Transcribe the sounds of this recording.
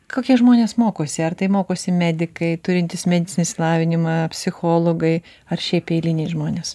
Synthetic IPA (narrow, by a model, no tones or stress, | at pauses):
koːkʲiɛʒmoːnʲeːsmoːkoːsʲɪɐrt̪ɐɪmoːkoːsʲɪmʲæːd̪ʲɪkɐɪt̪ʊɾʲɪnt̪ʲɪsmʲɛd̪ʲɪtt͡sʲsʲɪnʲɪsʲlˠɑːʋʲɪnʲɪmɐpʲsʲɪxoːlˠoːɡɐɪ | ɐrʃʲɛɪpɛɪlʲɪnʲɛɪʒmoːnʲeːs